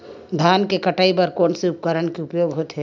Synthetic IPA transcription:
d̪ʱaːnkekəʈaːipəɾkoːnseʊp̚kəɾənkeʊpjoːɡɦot̪ɦɛ

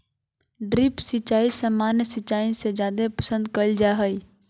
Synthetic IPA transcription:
ɖɾɪpsɪt͡ʃaːisəmaːnjəsɪt͡ʃaːĩsed͡ʒjaːd̪epəsə̃nd̪̚kəld͡ʒaɦəi

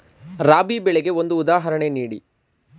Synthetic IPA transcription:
ɾaːbibɛɭeɡe̞o̞nd̪uːd̪aːɦɐɾɐɳe̞niːɽḭ

